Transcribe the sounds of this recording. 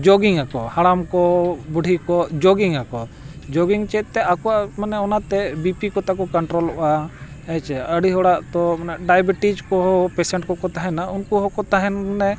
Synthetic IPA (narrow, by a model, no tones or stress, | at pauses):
d͡ʒɔɡiŋakɔhaɽamkɔbuɽʱikɔd͡ʒɔɡiŋakɔ | d͡ʒɔɡiŋt͡ʃɛt̪̚ˀt̪ɛakɔaʔmanɛɔnat̪ɛbipikɔt̪akɔkɔɳʈɾɔlɔʔa | ɛt͡ʃɛaəɽiɦɔɽaʔt̪ɔmanaʔɖajbiʈid͡ʒkɔɦɔpɛsɛɳʈkɔkɔt̪aɦɛnaunkuɦɔkɔt̪aɦɛnɛ